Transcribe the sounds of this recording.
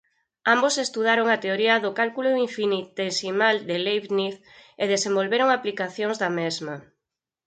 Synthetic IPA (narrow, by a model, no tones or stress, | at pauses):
ãmbosest̪uð̞aɾoŋat̪eoɾiɐðokalkuloiɱfinit̪esimald̪elejβniθ | eðesẽmbolβeɾoŋaplikaθjoŋzðɐmezma